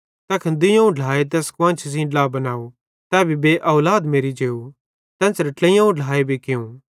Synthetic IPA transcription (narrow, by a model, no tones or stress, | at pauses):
t̪ɛːkʰɐnd̪ɪjãũɖʱlaːet̪̬ɛːskʋãːnt͡ʃʰs̬ĩɖlabɐnaːu | t̪ɛːbʱibeʔɐːlaːd̪meːɾid͡ʒeːu | t̪ɛːsɾɐʈlẽjãũɖʱlaːebʱikɪjũː